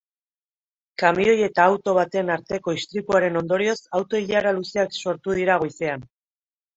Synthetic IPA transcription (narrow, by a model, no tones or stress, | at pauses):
kamio̞je̞t̪aːwt̪o̞β̞at̪e̞naɾt̪e̞ko̞ist̪ɾit̪uaɾe̞no̞nd̪o̞ɾio̞sawt̪o̞iʎaɾalusiakso̞ɾt̪uð̞iɾaɣ̞ojsean